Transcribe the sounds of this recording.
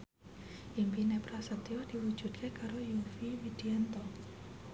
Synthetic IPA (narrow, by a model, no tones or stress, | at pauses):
ʔimpinepɾasət̪iɔd̪̥i̤wud̥ʒ̥ṳd̪̚kʰekaɾojufiwid̪̥iɛnt̪ɔ